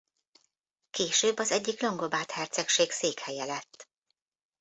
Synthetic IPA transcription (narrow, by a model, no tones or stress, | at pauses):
keːʃøːbːɒzɛɟːiklo̞ŋɡo̞baːt̪hɛrt̪sɛkʃeːkseːkhɛjɛlɛt̪ː